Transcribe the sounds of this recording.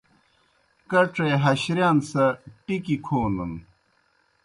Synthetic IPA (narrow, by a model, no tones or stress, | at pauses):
kɐʈ͡ʂeɦɐɕɾjaːnsɐʈikikʰoːnun